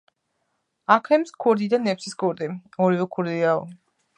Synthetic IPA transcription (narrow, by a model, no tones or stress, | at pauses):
akʰɛmskʰuɾd̪id̪anɛpsiskʰɔɾd̪ɛɔɾivɛkʰuɾd̪iaɔ̰